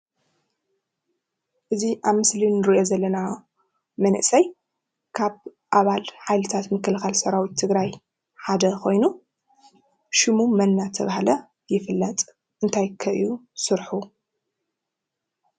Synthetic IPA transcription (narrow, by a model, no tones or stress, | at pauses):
ʔɨziʔaβmɨslinɨɾiʔo̞zɐlːɐna | mɐnʔsɐj | kʰaβ | ʔaβalħajlɨt̪ʰat̪mɨkːɨlxalsɐɾawit̪ʰːɨɡɾaj | ħad̪ɐkʰo̞jnu | ʃɨmumɐnːat̪ʰɐβahlɐ | jɪfɨlːɐt̪ʼ | ɨnt̪ʰajkʰɐʔjusɨɾħu